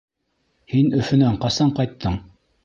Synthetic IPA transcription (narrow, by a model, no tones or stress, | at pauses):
hinɵ̆fɵ̆næɴqɑsɑɴqɑjt̪ʰːɤɴ